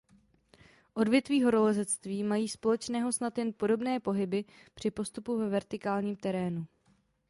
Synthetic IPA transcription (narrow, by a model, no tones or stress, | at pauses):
ʔo̞dvjɛt̪viːɦo̞ɾolɛzɛt͡st̪viːmajiːspo̞lɛt͡ʃnɛːɦo̞snat̪jɛnpo̞do̞bnɛːpo̞ɦɪbɪ | pr̝̥ɪpo̞st̪upuvɛvɛɾt̪ɪkaːlɲiːmt̪ɛɾɛːnu